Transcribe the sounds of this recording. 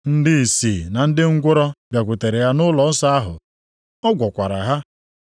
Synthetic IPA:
n̩˦dɪ˦i˨siː˨na˨n̩˦dɪ˦ŋ̩˦ɡʷʊ˦ɾɔ˦bja˨kʷʊ˨te˨ɾe˨ja˦nʊ˦lɔ˨˦n̩˦sa˦a˦ɦʊ̰˨ | ɔ˦ɡʷɔ˨kʷa˨ɾa˨ɦa˦

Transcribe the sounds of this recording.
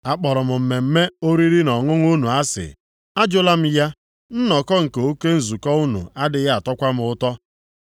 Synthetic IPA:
a˨k͡pɔ˨ɾʊ˨mʊ˨m̩˨me˨m̩˦me˦o˦ɾi˦ɾi˦nɔ˨ŋʊ˦ŋ˦u˦nu˨a˦sɪ̰˨ | a˦d͡ʒʊ˦la˦m̩˦ja˦ | n̩˦nɔ˨kɔ˦ŋ̩˨ke˨o˦ke˦n̩˨zu˨kɔ˦u˦nṵ˨a˦dɪ˨ja˦a˨tɔ˦kʷa˦m̩˦ʊ˦tɔ˦

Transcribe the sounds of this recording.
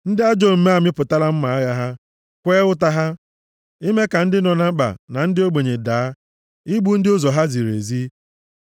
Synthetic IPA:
n̩˦dɪ˦a˦d͡ʒo˦˨m̩˦me˦a˨mɪ˦pʊ˨ta˦la˦m̩˦ma˨a˦ɣa˦ɦa˦ | kʷe˦ʊ˦ta˦ɦa˦ | i˦me˦ka˨n̩˦dɪ˦nɔ˨na˦m̩˦k͡pa̰˨na˨n̩˦dɪ˦o˦ɡ͡be˨ɲe˨daː˨a˦ | i˦ɡ͡bu˦n̩˦dɪ˦ʊ˦zɔ˨ɦa˦zi˨ɾḛ˨zi˦

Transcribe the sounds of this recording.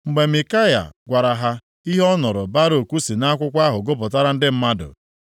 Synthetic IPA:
ŋ͡m̩˨ɡ͡be˨mi˨ka˦ja̰˨ɡʷa˨ɾa˨ɦa˦ | i˦ɦɔ˦nʊ˨ɾʊ˨ba˦ɾo˨kʷu˦si˨na˦kʷʊ˦kʷa˦ɦʊ˨ɡo˦p̬ʊ˨ta˦ɾa˦n̩˦dɪ˦m̩˦ma˦dʊ̰˨

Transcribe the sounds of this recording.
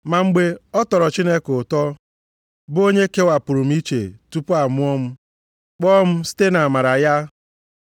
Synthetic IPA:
ma˨ŋ͡m̩˦ɡ͡be˦ɔ˦tɔ˨ɾɔ˨t͡ʃi˦ne˦kʊ˨tɔ˦ | bo˦ɲe˦ke˦wa˨pʊ˨ɾu˨m̩˦i˦t͡ʃe˨tu˦pʊ˦a˨mʊ˦ɔ˦m̩˦ | k͡pɔː˦m̩˦si̥˦te˦na˨ma˨ɾa˨ja˦

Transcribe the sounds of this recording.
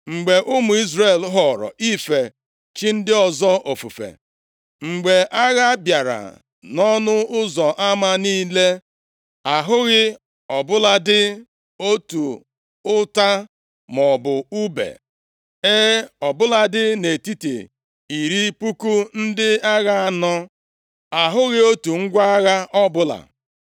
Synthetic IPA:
ŋ͡m̩˨ɡ͡be˨ʔʊ˦mʊ˨i˦zre˦˨lɦɔ˨ɾɔ̰˨ʔi˦fe˨ | t͡ʃi˦n̩˦dɪ˦ɔ˨zɔ˦ʔo˨fu˨fḛ˨ | ŋ͡m̩˨ɡ͡be˨ʔa˦ɣa˦bja˨ɾa̰˨ | nɔ˦nʊ˦ʊ˦zɔ˨ʔa˦ma˦niː˦le˦ | a˨ɦʊ˦ɣɪ˦ | ɔ˨bʊ˦la˦dɪ˦ | o˦tu˨ | ʊ˦ta˦ | mɔ˨bʊ˨u˦bḛ˨ | e˦ɔ˨bʊ˦la˦dɪ˦ne˨ti˦tḛ˨ | i˨ɾi˦pu˦ku˦n̩˦dɪ˦a˦ɣa˦a˨nɔ˦ | a˨ɦʊ˦ɣɪ˦o˦tu˨ŋ̩˦ɡʷa˦ɣa˦ʔɔ˦bʊ˦la̰˨

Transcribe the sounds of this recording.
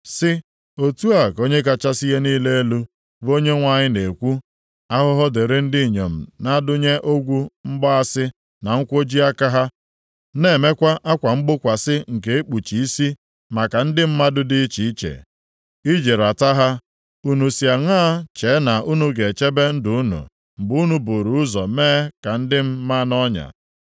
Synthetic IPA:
sɪ˦ | o˦tu˦a˨ko˦ɲe˦ka˦t͡ʃa˦si˦ɣe˦niː˦le˦e˦lu˦ | bo˦ɲe˦ŋʷa˨ɲɪ˦ne˨kʷu˦ | a˦ɦʊ˦ɦɔ˦de˨ɾɪ˦n̩˦dɪ˦i˨ɲe˨m̩˨na˦dʊ˦ɲe˦ʔo˦ɡʷu˦m̩˦ɡ͡bɔ˦a˦sɪ˦ | na˨ŋ̩˦kʷo˦d͡ʒi˦a˦ka˦ɦa˦ | ne˦˨me˦kʷa˦ʔa˦kʷa˨ŋ͡m̩˦ɡ͡bʊ˦kʷa˨sɪ˦ŋ̩˨k̬e˨e˦k͡pu˨t͡ʃi˨i˦si˦ | ma˨ka˨n̩˦dɪ˦m̩˦ma˦dʊ˦dɪ˦t͡ʃi˨i˦t͡ʃḛ˨ | i˦d͡ʒe˨ɾa˨ta˦ɦa˦ | u˦nu˨si˨a˨ŋa˦t͡ʃe˨˦na˨ʔu˦nu˦ɡe˨t͡ʃe˦be˦n̩˦dʊ˨˦u˦nṵ˨ | m̩˨bʊ˨u˦nu˦bo˨ɾu˨ʊ˦zɔ˨meː˦ka˨n̩˦dɪ˦m̩˦ma˦nɔ˦ɲa̰˨

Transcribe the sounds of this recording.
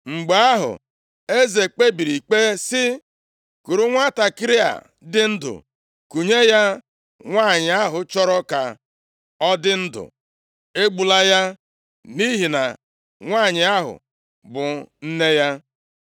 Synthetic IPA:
ŋ͡m̩˨ɡ͡ba˦ɦʊ̰˨ | e˦ze˨k͡pe˦bi˨ɾi˨k͡pe˦sɪ˦ | ku˨ɾu˦ŋʷa˦ta˨kɪ˦ɾɪ˦a̰˨ | dɪ˦n̩˦dʊ̰˨ | ku˨ɲe˦ja˦ | ŋʷaː˦˨ɲɪ˨a˦ɦʊ˨t͡ʃɔ˦ɾɔ˦ka˨ | ɔ˦dɪ˦n̩˦dʊ̰˨ | e˦ɡ͡bu˨la˦ja˦ | ni˦ɦi˨na̰˨ | ŋʷaː˦˨ɲɪ˨a˦ɦʊ̰˨ | bʊ˨n̩˦ne˦ja˦

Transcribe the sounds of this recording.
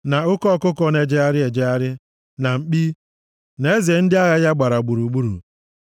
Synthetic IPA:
na˨ʊ˦kɔ˦˨kʊ˦kɔ˦ne˨d͡ʒe˦a˦ɾɪ˦e˨d͡ʒe˦a˦ɾɪ˦ | na˨ŋ͡m̩˨k͡pi˦ | n˨e˦ze˨˦n̩˦dɪ˦a˦ɣa˦ja˦ɡ͡ba˨ɾa˨ɡ͡bu˨ɾu˨ɡ͡bu˦ɾṵ˨

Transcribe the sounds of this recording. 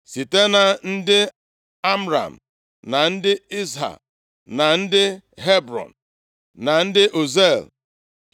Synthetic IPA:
si˨te˦na˨n̩˦dɪ˦ | a˦m˦ɾa̰˨m̩˨ | na˨n̩˦dɪ˦i˦zɦa̰˨k̚ | na˨n̩˦dɪ˦ɦe˦bɾɔ̰˨n̩˨ | na˨n̩˦dɪ˦ʔo˨ze˦˨l

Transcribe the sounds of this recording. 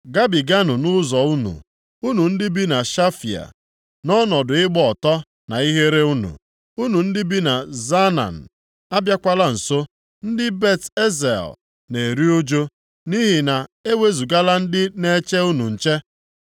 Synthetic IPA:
ɡa˦bi˨ɡa˦nʊ˨nʊ˦zɔ˨u˦nṵ˨ | u˦nu˨n̩˦dɪ˦bi˦na˨ʃa˦fḭ˨a̰˨ | nɔ˦nɔ˨dʊ˨ɪ˦ɡ͡bɔ˦ɔ˨tɔ˦ | na˨i˦ɦe˦ɾe˦u˦nṵ˨ | u˦nu˨n̩˦dɪ˦bi˦na˨za˦na̰˨n̩˨ | a˦bja˦kʷa˦la˦n̩˨so˦ | n̩˦dɪ˦be˦˨te˦zḛ˨l | ne˨e˨ɾi˦o˦d͡ʒo˦ | ni˦ɦi˨na˨e˦we˦zu˨ɡa˦la˦n̩˦dɪ˦ne˦t͡ʃe˦u˦nu˨n̩˨t͡ʃe˦

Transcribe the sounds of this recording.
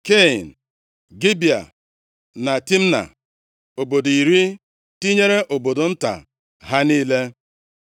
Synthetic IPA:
ke˦˨n̩˨ | ɡi˦bi˨a̰˨ | na˨ti˦m̩˦na̰˨ | o˨bo˨do˨i˨ɾi˦ | ti˦ɲe˦ɾe˦ʔo˨bo˨do˨n̩˦ta̰˨ | ɦa˦niː˦le˦

